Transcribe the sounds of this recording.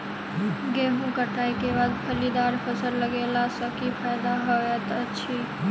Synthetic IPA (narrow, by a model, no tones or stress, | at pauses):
ɡeɦũkəʈʰaikebad̪pʰəlid̪aɾpʰəsəɾləɡelasəkipʰajd̪aɦoɛt̪əːt͡ʃʰi